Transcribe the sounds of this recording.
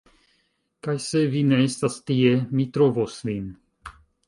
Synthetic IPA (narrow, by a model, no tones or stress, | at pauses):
kajsevinɛest̪ast̪iemit̪ɾovosvin